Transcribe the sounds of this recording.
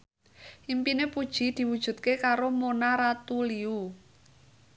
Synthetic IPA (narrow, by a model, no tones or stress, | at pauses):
ʔimpinepud̥ʒ̥i̤d̪̥i̤wud̥ʒ̥ṳt̪̚kekaɾomonaɾat̪uliu